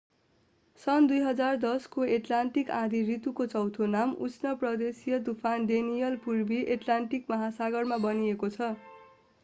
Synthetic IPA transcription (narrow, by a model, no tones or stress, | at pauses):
sʌnd̪ujɦʌd͡zard̪ʌskoeʈlanʈikãd̪ʱirit̪ukot͡sʌwt̪ʰonamṵsʰnʌprʌd̪esijʌd̪upʰanɖ̪enijʌlpurbiʔeʈlaɳʈikmʌɦasaɡʌrmabʌniekot͡sʰʌ